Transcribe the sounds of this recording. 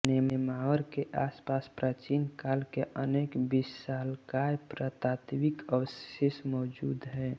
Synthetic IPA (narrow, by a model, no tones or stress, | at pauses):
nememaəɾkeʔaspaspɾat͡ʃinkaːlkeʔəneːkbisalkajpɾət̪at̪bikəwsesmɔːd͡ʒuːd̪ɦɛ